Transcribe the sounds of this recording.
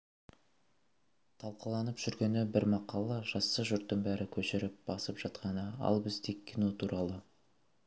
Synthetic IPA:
t̪ʰɑlˠqəlˠɑnəpʒ̥ʏɾɡʲe̞nɪbɪɾmɑqɑlˠɑʒ̥ɑsːəʒʊɾt̪ːəɴbæɾɪkʲʰɵʃɪɾɪp̚b̥ɑsəpʒ̥ɑt̪qɑnəɑ̰lˠbɪzd̪ekʲʰːinot̪ʰuɾʔɑlˠə

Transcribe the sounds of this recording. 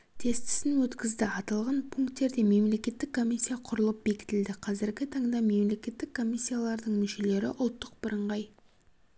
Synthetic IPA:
t̪ʰe̞st̪ɪ̥sɪnwɵt̪kʲɪzd̪ɪɑt̪ɑlˠʁɑnpʰuŋkt̪ːe̞ɾd̪e̞me̞mle̞kʲe̞t̪ːɪkʰːo̞mʲijsʲːijaqʰʊɾəlˠəp̚be̞kʲɪ̥t̪ɪld̪ɪqʰɑzɪɾɡʲɪt̪ʰɑɴd̪ɑme̞mle̞kʲe̞t̪ːɪkʰːo̞mʲisʲːijalˠɑɾd̪əɴmʏʃe̞le̞ɾɪ̰ʔʊlˠt̪ːəq̚bəɾəɴʁɑj

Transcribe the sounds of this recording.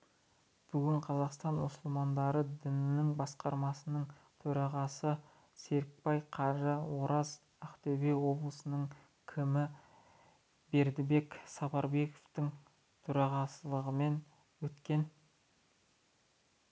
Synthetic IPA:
b̥ʏɡʲɪɴqʰɑzɑqst̪ɑnmʊsʊlˠmɑnd̪ɑɾəd̪ɪnɪnɪŋbɑsqɑɾmɑsənəɴ | t̪ʰɵɾɑʁɑsə | se̞ɾk̚pɑjqʰɑʒəwo̞ɾɑz | æqt̪ebewo̞blˠəsənəɴ | kʲʰɪmɪ | be̞ɾd̪ɪbe̞ksɑpɑɾbe̞ko̥ft̪ɪŋ | t̪ʰɵɾɑʁɑsəlˠəʁəme̞n | wɵt̪kʲe̞n

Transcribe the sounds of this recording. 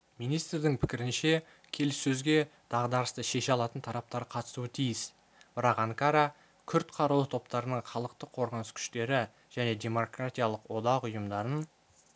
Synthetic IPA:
minijst̪ɾd̪ɪŋpʰɪ̥kʲɪɾɪnʃe̞ | kʲʰe̞lɪsːɵzɡʲe̞d̪̥ɑʁd̪ɑɾəst̪əʃe̞ʃɑlˠɑt̪ənt̪ʰɑɾɑp̚t̪ɑɾəqʰɑt̪ə̥suət̪ʰijɪs | b̥ɪɾɑqɑŋkaɾa | kʲʰʏɾt̪qʰɑɾəlˠət̪ʰo̞p̚t̪ɑɾənəɴχɑlˠəqt̪əqʰo̞ɾʁənəskʲʰʏ̥ʃt̪e̞ɾɪ | ʒ̥æne̞d̪ʲe̞mo̞krat̪ʲijalˠəqwo̞d̪ɑqʊjəmd̪ɑɾən

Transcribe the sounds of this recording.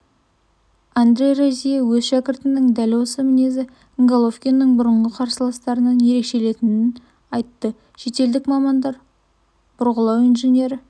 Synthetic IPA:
and̪ɾʲe̞jrozʲijewɵzʃækʲɪɾt̪ɪnɪŋd̪ælwo̞səmɪne̞zɪ | əŋɡalˠofkʲinːəɴbʊɾəɴʁəqʰɑɾsəlˠɑst̪ɑɾənɑnje̞ɾe̞kʃe̞le̞t̪ɪnɪn | ɑjt̪ːə | ʃe̞t̪e̞ld̪ɪkmɑmɑnd̪ɑɾ | b̥ʊɾʁəlˠɑwijnʒenʲe̞ɾɪ

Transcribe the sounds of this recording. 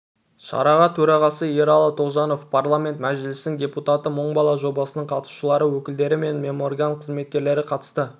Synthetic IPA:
ʃɑ̰ɾɑʁɑt̪ʰɵɾɑʁɑsəjeɾɑlˠɑt̪ʰoʒɑno̞fpʰarlˠamʲe̞nt̪mæʒɪlɪst̪ɪŋdʲe̞put̪at̪əməɴbɑlˠɑʒo̞bɑsənəɴqʰɑt̪su̥ʃəlˠɑɾəwɵkʲɪld̪e̞ɾɪme̞nmʲe̞mo̞rɡanqʰəzme̞t̪̚kʲe̞ɾle̞ɾɪqʰɑt̪ə̥st̪ə

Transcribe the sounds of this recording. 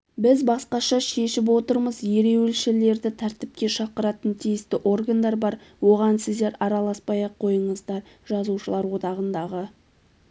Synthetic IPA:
bɪzbɑsqɑʃɑʃe̞ʃɪp̬wo̞t̪əɾməzje̞ɾe̞wɪlʃɪle̞ɾd̪ɪt̪ʰæɾt̪ɪp̚kʲe̞ʃɑqəɾɑt̪ənt̪ʰijɪst̪ɪʔo̞rɡand̪ɑɾbɑɾwo̞ʁɑnsɪzd̪e̞ɾɑɾɑlˠɑspɑjɑqʰːo̞jəɴəzd̪ɑɾʒɑzuʃəlˠɑɾwo̞d̪ɑʁənd̪ɑʁə

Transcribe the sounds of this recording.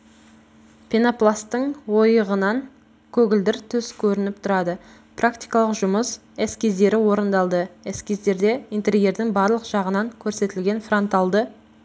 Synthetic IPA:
pʰʲenoplˠast̪əɴwo̞jəʁənɑŋ | kʲʰɵɡʲɪld̪ɪɾt̪ʰʏskʲʰɵɾɪnɪp̚t̪ʰʊɾɑd̪ə | prakt̪ijkɑlˠəqʒʊməs | æskʲʰe̞zd̪e̞ɾɪwo̞ɾənd̪ɑlˠd̪əeskʲʰezd̪e̞ɾd̪e̞int̪eɾije̞ɾd̪ɪŋbɑɾlˠəqʒ̥ɑʁənɑŋkʲʰɵɾse̞t̪ɪlɡʲe̞nfro̞nt̪ɑlˠd̪ə

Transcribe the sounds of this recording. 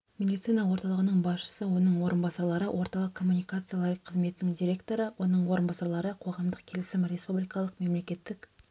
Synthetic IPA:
mʲe̞d̪it̪sijnɑwo̞ɾt̪ɑlˠəʁənəɴbɑsʃə̥səwo̞nəɴwo̞ɾənbɑsɑɾlˠɑɾəwʔo̞ɾt̪ɑlˠəq̚kʰːo̞mːunijkat̪sɨjalˠaɾqʰːəzme̞t̪ɪnɪŋd̪iɾʲe̞kt̪o̞ɾəwo̞nəɴwo̞ɾənbɑsɑɾlˠɑɾəqʰo̞ʁɑmd̪əqkʲʰe̞lɪsɪmɾʲe̞spublijkɑlˠəqme̞mle̞kʲe̞t̪ːɪkʲ

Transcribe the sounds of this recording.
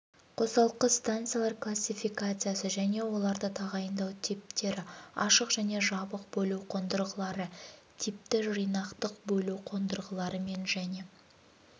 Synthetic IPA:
qʰo̞sɑlˠəqːəst̪ant̪sɨjalˠɑɾklˠasʲifijkat̪sɨjasəʒæne̞wo̞lˠɑɾd̪ət̪ʰɑʁɑjənd̪ɑwt̪ʰip̚t̪e̞ɾɪɑ̰ʃəqʒ̥æne̞ʒɑbəq̚bɵluwqʰond̪əɾʁəlˠɑɾət̪ʰip̚t̪ɪʒijnɑqt̪əq̚bɵluwqʰond̪əɾʁəlˠɑɾəme̞nʒæne̞

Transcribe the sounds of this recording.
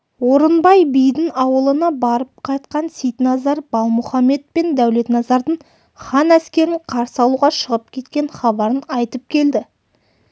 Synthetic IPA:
woɾənbɑjbijd̪ɪŋɑwəlˠənɑbɑɾəp̚qʰɑjt̪̚qɑnsijt̪nɑzɑɾb̥ɑlˠmʊχɑme̞t̪̚pe̞nd̪æwle̞t̪nɑzɑɾd̪əɴ | χɑnæskʲe̞ɾɪɴqʰɑɾsəɑlˠuʁɑʃəʁəp̚kʲʰe̞t̪kʲe̞ɴχɑbɑɾənɑjt̪əp̚kʲʰe̞ld̪ɪ

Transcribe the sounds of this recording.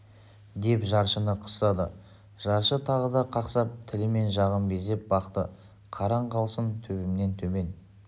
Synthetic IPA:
d̪e̞pʒɑɾʃənəqʰə̥st̪ɑd̪ə | ʒ̥ɑɾʃət̪ʰɑʁəd̪ɑqʰɑqsɑp̚t̪ʰɪlɪme̞nʒɑʁəmbe̞ze̞p̚bɑqt̪ə̰ | qʰɑɾɑɴqʰɑlˠsənt̪ʰɵbɪmne̞nt̪ʰɵme̞n

